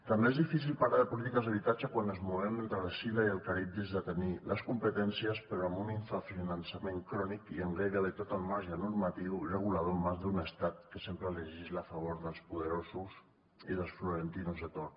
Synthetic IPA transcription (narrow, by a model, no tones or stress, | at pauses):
t̪ambeezðifis̬ilpaɾaðəpulit̪ikəzðəβ̞it̪ad͡ʒakwanəzmuðemət̪əɣesiðaiəlˠkaɾip̚t̪izðət̪eniləskumpət̪ɛnsiəspəɾoambuniɱfafinansamẽŋkɾɔnikiəŋɡɾeɾəðət̪ot̪əlˠmaɾʒanuɾmat̪iwrəɣ̞ulað̞omazðunəst̪at̪kəsempɾəeleʒizlafaβ̞oɾðəlˠspuðəɾosus | iðəlˠsfluɾent̪inuzðət̪oɾ